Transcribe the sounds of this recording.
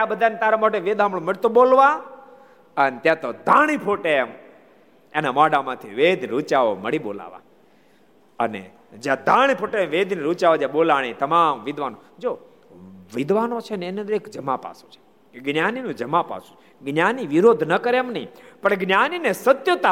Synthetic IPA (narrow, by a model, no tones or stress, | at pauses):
t̪jãbəd̪ʱanet̪aːɾamoʈeʋeːd̪ʱamɭõmɪɽt̪oɓolʋã | ənet̪jãt̪od̪ʱãːɽ̃ipʰoʈem | enamaɖamãt̪ʰiʋed̪ɾut͡ʃaʋoməɽiɓo̰ːla̰ːʋã̰ | ənḛ | d͡ʒjãd̪ʱãːɽ̃ipʰoʈemʋeːd̪ʱniɾut͡ʃaːʋod͡ʒãɓolaːɽ̃it̪ɐmaːmʋɪd̪ʋanod͡ʒoː | ʋɪd̪ʱʋaːnot͡ʃʰeneened̪ɾeːkd͡ʒəmapa̰ːsu̥t͡ʃʰe̥ | eɡnjaːninũd͡ʒəmapa̰ːsũ̥t͡ʃʰ | ɡnʲjaniʋɪɾod̪ʱnəkəɾemnəɦĩpəɳɡnjaninesət̪jot̪a